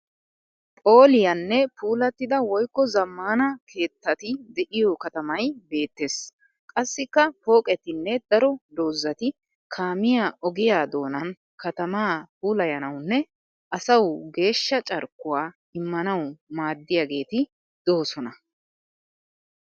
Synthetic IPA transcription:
pʼo̞ːlɪjɐnːɛpʰuːlɐt̪ːɪd̪ɐwɔjkːɔzɐmːaːnɐkʰe̞ːt̪ːɐt̪ɪd̪ɛʔɪjɔkɐt̪ɐmɐjbe̞ːt̪ːe̞s | kʼɐsːɪkːɐpo̞ːkʼɛt̪ɪnːɛd̪ɐɾɔd̪o̞ːzːɐt̪ɪ | kʰaːmɪjaːʔɔɡɪjaːd̪o̞ːnɐn | kɐt̪ɐmaːpuːlɐjɐnɐwnːɛ | ʔɐsɐwɡe̞ːʃːɐt͡ʃʼɐɾkːʊwaː | ɪmːɐnɐwmaːd̪ːɪjaɡe̞ːt̪ɪ | d̪̥o̞ːsɔnɐ

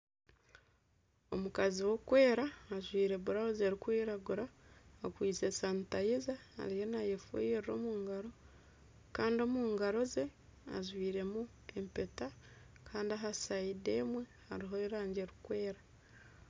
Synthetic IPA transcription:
o̞̰mukaziwo̞kwe̞ːɾaːʒwiːɾe̞βuɾaoze̞ɾikwiːɾaɡuɾaːkwiːt͡se̞saːntajiza̰ːɾije̞najefṵjeɾɾo̞̰muːŋɡaɾo̞ | kaːndio̞muːŋɡaɾo̞ze̞ | a̰ʒwiːɾe̞mu | e̞mpe̞ta | kʰaːndiaɦasaide̞ːmwe̞ha̰ɾiɦo̞iɾaːɲɟe̞ːɾikwe̞ːɾa

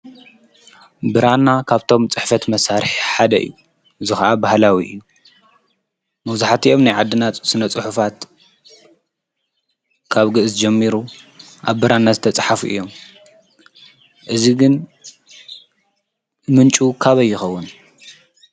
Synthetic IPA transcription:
bɨɾanːakʰaβt̪ʰo̞mt͡sʼɨħfɐt̪mɐsaɾɨħħad̪ɐʔɨ̰jːu | ʔɨzixɐʔabahlawiʔɨ̰jːu | mɐβzaħat̪ʰiʔo̞mnajʕad̪ːɨnat̪sɨnɐt͡sʼɨħufat̪ | kʰaβɡɨʔɨzd͡ʒɛmːiɾu | ʔaβbɨɾanːazɨt̪ʰɐt͡sʼħafuʔɨ̰jːo̞m | ʔɨziɡɨn | mɨnt͡ʃʼukʰaβɐjːɪxɐwːʊn

